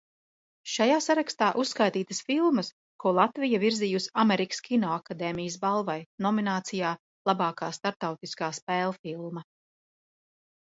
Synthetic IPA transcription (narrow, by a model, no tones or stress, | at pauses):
ʃajaːsaɾakst̪aːʔusːkajt̪iːt̪əsfilˠmɐs | kuɔlˠat̪vijaviɾzijusameɾikskʰʲinɔːakad̪ɛːmijəsbalˠvajnɔminaːt̪sijaː | lˠabaːkaːst̪aɾp̚t̪awt̪iskaːspɛːlˠfilˠmɐ